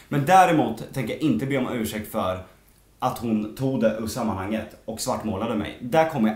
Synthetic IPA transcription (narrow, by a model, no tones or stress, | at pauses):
mɛnd̪æːɾɛmuːt̪ʰːɛŋkəjaʔɪnt̪əbeːɔmʔʉ̟ːʂɛk̚t̪fœɾ | ʔat̪hʊnt̪ʰuːɡd̪ɛʔɵsamːanhaŋːət̪ɔksvaʈːmoːlad̪əmɛ̰jd̪æɾkʰɔmːəja